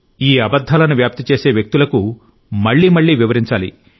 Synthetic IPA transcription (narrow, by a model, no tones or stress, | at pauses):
iːɐbɐd̪ʱːaːlɐnuʋjaːp̚t̪it͡ʃe̞ːse̞ːʋjek̚t̪ulɐku | mɐɭːiːmɐɭːiːʋiʋɐɾiɲt͡ʃaːlḭ